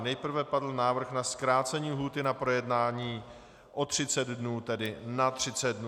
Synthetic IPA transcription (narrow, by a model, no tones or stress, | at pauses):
nɛjpr̩vɛpadl̩naːvr̩xnaskɾaːt͡sɛɲiːɦuːt̪ɪnapɾojɛdnaːɲiː | ʔot̪r̥ɪt͡sɛd̪dnuːt̪ɛdɪnat̪r̝̥ɪt͡sɛd̪̚dnu